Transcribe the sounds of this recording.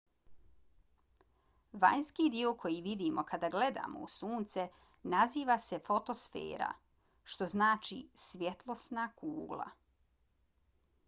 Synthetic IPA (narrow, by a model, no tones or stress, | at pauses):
ʋa̰ɲskid̪iokʰo̞jiʋid̪imo̞kad̪aɡle̞d̪a̰ːmo̰usuːnt̪se | naziːʋase̞fo̞t̪o̞sfḛːɾa̰ | ʃt̪o̞znaːt͡ʃisʋjet̪lˠo̞snakuːɡlˠa̰